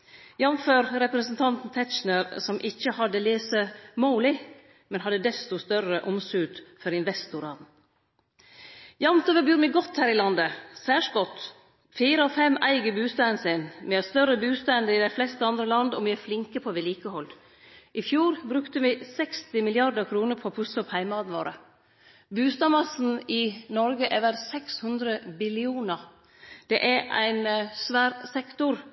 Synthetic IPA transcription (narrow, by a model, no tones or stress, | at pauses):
jɑmføːɾɾɛpɾəsn̩t̪ʰɑnt̪n̩t̪ʰɛt͡ʃnəɾsɔmʔɪçəhɑd̪əleːsəmaʊlɪ | mɛnhɑd̪ːəd̪ɛst̪ʊst̪œrəʔɔmsʉːd̪fɔɾɪnʋɛst̪ʊɾɑːd̪n̩ | jɑmt̪oːʋəbjuːɾmɛɡɔt̪hæːɾɪlɑnd̪əsæːʂɡɔt̪ | fiːɾəɔfɛmæ̰ɪɡəbʉːst̪ɛːənsɪnmɪɑst̪œɾəbʉːst̪ɛnd̪əɾɪd̪æɪflɛst̪əɑnd̪ɾəlɑnd̪ɔmʋɪæflɪŋkəpʰɔʋɪliːkəhɔl | ʔɪfjuːɾbɾʉkt̪əʋɪsɛkst̪ɪmɪlɪɑɾd̪əkʰɾuːnəɾpʰɔpʰʉsəɔphæɪmɑːd̪n̩ʋo̰ːɾʔə | bʉːst̪ɑːmɑsn̩ɪnɔɾɡəʔɛɾʋæɾsɛkshʉnd̪ɾəbɪlɪuːnəɾ | d̪̥ɛʔæɾæ̰ɪnsʋæːɾsɛkt̪ʊɾ